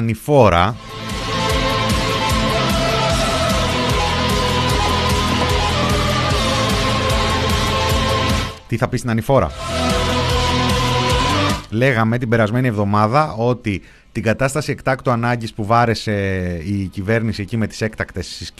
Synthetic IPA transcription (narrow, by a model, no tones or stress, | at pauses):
nifo̞ɾɐ | t̪iθɐpist̪inɐnifo̞ɾɐ̰ | le̞ɣɐme̞t̪ibe̞ɾɐzme̞nievðo̞mɐðɐo̞t̪i | t̪iɡɐt̪ɐst̪ɐsie̞kt̪ɐkt̪oɐnɐɲɟispuvɐɾe̞se̞icive̞ɾnisiecime̞t̪i̥se̞kt̪ɐkt̪e̞ssis